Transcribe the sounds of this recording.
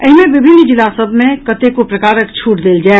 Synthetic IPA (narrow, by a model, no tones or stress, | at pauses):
əɦimẽʋɪbʱɪnːd͡ʒɪlasəbʱmẽkɐt̪ekopɾɐkaːɾəkt͡ʃʰuːʈd̪eːld͡ʒae